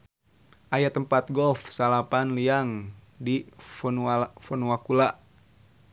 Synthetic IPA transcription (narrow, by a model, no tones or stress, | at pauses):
ʔajat̪əmpat̪̚ɡɔfsalapanliaŋ | difnfɔnuakulaʔ